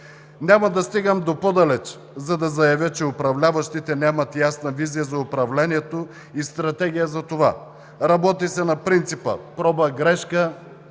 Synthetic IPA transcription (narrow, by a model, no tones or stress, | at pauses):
nʲamɐd̪ɐst̪iɡəmd̪opod̪ɐlɛt͡ʃ | zɐd̪ɐzɐjɐvʲjət͡ʃɛʊpɾɐvlʲavɐʃt̪it̪ɛnʲamɐt̪jasnɐvizijəzɐʊpɾɐvlɛniɛt̪o | ist̪ɾɐt̪ɛɡ̟ʲijəzɐt̪ova̰ | ɾɐbɔt̪isɛnɐpɾint̪sipə̰pɾɔbɐɡɾɛʃkə